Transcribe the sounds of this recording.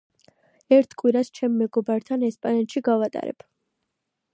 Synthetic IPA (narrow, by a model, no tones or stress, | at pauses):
ɛɾt̪ʰkʼwiɾast͡ʃʰɛmːɛɡɔbaɾt̪ʰanɛspʼanɛt̪ʃiɡavat̪ʼa̰ɾɛ̰b̥